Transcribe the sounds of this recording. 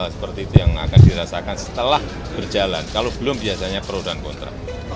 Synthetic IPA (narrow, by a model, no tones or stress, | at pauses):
sə̥pərt̪iːt̪ujaŋa̰kandiɾasakansə̥t̪əlah | b̥ərd͡ʒalankalob̥əlʊmbiasaɲapəɾodankɔnt̪ɾa̰